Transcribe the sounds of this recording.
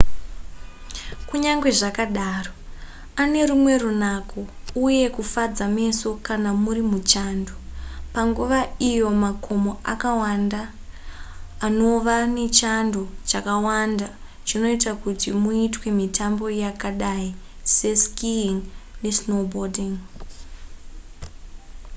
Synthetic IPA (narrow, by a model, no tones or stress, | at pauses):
kuɲaŋɡwe̞ʐakaɗaːro | ane̞ɾumwe̞runakʰo | uje̞kufad͡zame̞so̞kanamuɾimut͡ʃandopaŋɡuʋaijo̞makʰo̞mo̞akawanda | no̞ʋane̞t͡ʃando̞t͡ʃakawanda | t͡ʃino̞itakutimuitwe̞mitʰambo̞jakaɗai | se̞skiŋnesno̞bodiŋ